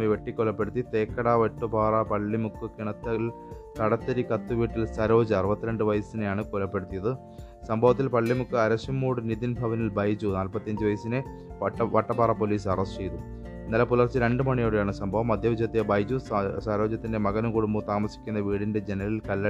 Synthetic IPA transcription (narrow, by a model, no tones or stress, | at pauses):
iʋe̞ʈːikːolːɐpːe̞ɽut̪ːit̪e̞ːkːɐɽaʋeʈːubʱaːrɐpɐɭːimukːɨkiɳɐt̪ːɐl | t̪ɐɽɐt̪ːɐɾikɐt̪ːuʋiːʈːilsɐɾo̞ːd͡ʑɐɐrɨbɐt̪ːiɾeɳɖɨʋɐjɐsinejaːɳɨkolːɐpːe̞ɽut̪ːijɐðɨ | sɐmbʱɐʋɐt̪̬ːilpɐɭːimukːɨɐɾɐɕɐmːuːɽɨnid̪inbʱɐʋɐnilbɐjd͡ʑunaːlpɐt̪ːijɐɲd͡ʑɨʋɐjɐsinɨ | ʋɐʈːɐbʱaːrɐpo̞ːliːsɐrɐst͡ɕe̞jt̪u | inːɐlɐpulɐrt͡ɕːɨɾe̞ɳɖɨmɐɳijoːɽejaːɳɨsɐmbʱɐʋɐmɐd̪ʱjɐʋid͡ʑɐt̪ːijɐbɐjd͡ʑusɐɾo̞ːd͡ʑɐt̪ːinde̞mɐɣɐnɐkuɽumbɐt̪aːmɐsi̥kʲːunːɐʋiːɽinde̞d͡ʑenɐlilkɐlːɐ